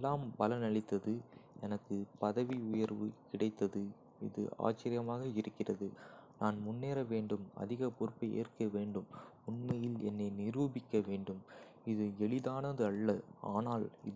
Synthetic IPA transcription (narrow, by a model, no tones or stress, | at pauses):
lːaːmbɐlɐnɐɭɪt̪ːɐðɯɛnɐkːɯpɐðɐʋiʊjɐɾʋɯkɪɽɐɪt̪ːɐðɯ | ɪ̰ðɯ̰a̰ːt͡ʃːɐɾɪjɐmaːɣɐɪɾɯkːɪrɐðɯnaːnmʊnːeːɾɐʋeːɳɖɯmɐ̰ðɪɣɐpɔɾʊpːɐɪʔḛːrkɐʋeːɳɖɯmʊnmɐjɪlɛnːɐnɪɾuːbɪkːɐʋeːɳɖɯm | ɪðɯɛɭɪðaːnɐðɯɐɭːɐaːnaːlɪ̰ð